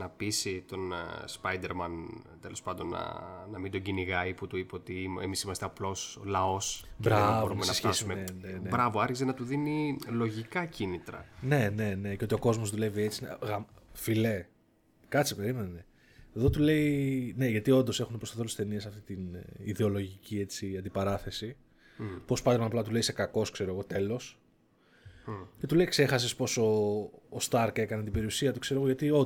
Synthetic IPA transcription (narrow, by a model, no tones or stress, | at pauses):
nɐpisit̪o̞nspɐjd̪e̞ɾmɐnt̪elo̞spɐnd̪o̞nːɐ̰nɐmind̪o̞ɟiniɣɐiput̪uipeo̞t̪iḛmisimɐst̪eɐplo̞solɐo̞sbɾɐvoɾuumesnɐesçesumeenenebɾɐvo̞ɐɾçizenɐt̪uðinilo̞ʝikɐcinit̪ɾɐ̰ne̞ne̞ne̞ceo̞t̪io̞ko̞zmo̞zðule̞vie̞t͡sineɣɐmfile̞ | kɐt͡sipe̞ɾime̞nene | eðo̞t̪ule̞ine̞ʝɐt̪io̞nd̪o̞se̞xunepɾot̪ɐθo̞lust̪e̞niesɐft̪it̪iniðe̞o̞lo̞ʝicie̞t͡siɐnd̪ipɐɾɐθe̞si | po̞spɐt̪ɾmɐnɐplɐt̪ule̞ise̞kɐko̞skse̞ɾo̞eɣo̞t̪e̞lo̞s | ce̞t̪ule̞ikse̞xɐs̬espo̞so̞ːst̪ɐɾke̞kɐnet̪ibe̞ɾiusiɐt̪ukse̞ɾo̞ɣoʝɐt̪io